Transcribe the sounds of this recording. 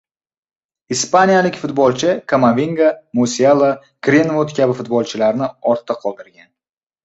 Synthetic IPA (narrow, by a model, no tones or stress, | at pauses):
ispanijalɪkʲfʊt̪̚bɒlˠt͡ʃʰɪkʰamavʲiŋɡamosialˠa | kɾenvod̪kʲʰabɪfʊt̪̚bɒlˠt͡ʃʰɪlaɾnɪɒɾt̪ʰːaqʰɒlˠd̪ɪɾɡʲan